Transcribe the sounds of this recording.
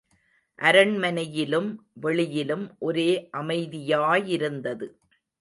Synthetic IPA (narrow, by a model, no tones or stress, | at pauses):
ʔɐɾɐɳmɐnɐjɪlɯmʋɛɭɪjɪlɯmʔɔɾeːʔɐmɐɪðɪjaːjɪɾɯnd̪ɐðɯ